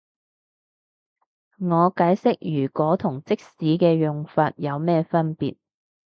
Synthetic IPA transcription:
ŋɔː˨˧kaː˨˥jsɪ˥k̚jyː˨˩kʷɔː˨˥t̪ʰʊ˨˩ŋt͡sɪ˥k̚siː˨˥kɛː˧jʊ˨ŋfaː˧t̚jɐ˨˧wmɛː˥fɐ˥npḭː˨t̚

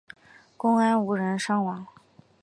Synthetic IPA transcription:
kʊ˥ŋa˥nu˧˥ɻə˧˥nʂɑ˥ŋwɑ˧˥ŋ

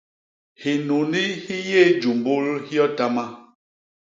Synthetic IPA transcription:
hi˨nu˨ni˦hi˦je˦˨d͡ʒu˨mbo˦lhi˦ɔ˦ta˦ma˦

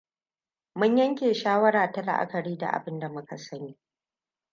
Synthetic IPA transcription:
mʊ˦ɲjɐ˦ŋkʲeː˨ʃaː˦wɐ˦ɽaː˨ta˦la̰˨ʔa̰˦kɐ˨ɽiː˦da̰˨ʔa̰˨bɪ˦nda˨mʊ˦ka˨sɐ˦niː˦

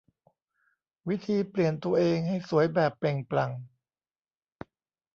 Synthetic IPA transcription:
wi˦˥t̪ʰiː˧pli˨˩ənt̪u˧ɐʔeː˧ŋha˥˩jsu˨˩˦əjbɛː˨˩pːe˨˩ŋpla˨˩ŋ

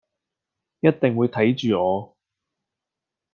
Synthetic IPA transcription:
jɐ˥t̚t̪ɪ˨ŋwuː˨˧jt̪ʰɐ˨˥jt͡ʃyː˨ŋɔː˨˧

